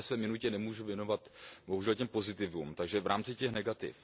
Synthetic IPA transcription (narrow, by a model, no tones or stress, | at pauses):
ɛsvɛːmɪnucɛnɛmuːʒuvjɛno̞vat̪boɦuʒɛlcɛmpo̞zɪt̪ɪvumt̪aɡʒɛvɾʔaːmt͡sɪcɛxnɛɡat̪ɪ̰f